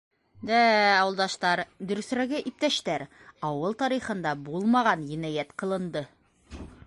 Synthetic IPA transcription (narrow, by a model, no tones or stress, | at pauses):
d̪æɑwɤlˠd̪ɑʃt̪ɑɾd̪ɵ̆ɾɵ̆sɾæɡɘʔip̚t̪æʃt̪æɾ | ɑwɤlˠt̪ɑɾiχɤ̆nd̪ɑbulˠmɑʁɑnjĭnæjæt̪qɤ̆lˠɤ̆nd̪ɤ